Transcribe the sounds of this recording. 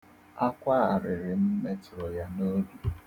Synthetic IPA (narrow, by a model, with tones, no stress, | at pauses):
a˦kʷa˦a˨ɾɪ˨ɾɪ˨m̩˦me˦tʊ˨ɾɔ˨ja˦no˦du˦